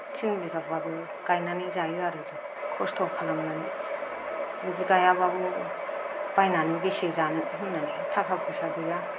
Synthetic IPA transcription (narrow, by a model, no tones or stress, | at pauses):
tʰiŋbiɡabɡabɯ | kajnanizajɯaɾɯza | kʰɔstʰɔkʰalamnani | midiɡajababɯ | bajnanibisezanɯɦunːanitʰakʰap̚kʰusabiɡa